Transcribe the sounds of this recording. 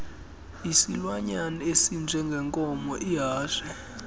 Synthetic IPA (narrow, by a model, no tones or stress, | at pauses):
isilwaɲanɔesind͡ʒʱɛŋɡʱɛŋkʼɔmɔʔiɦaːʃɛ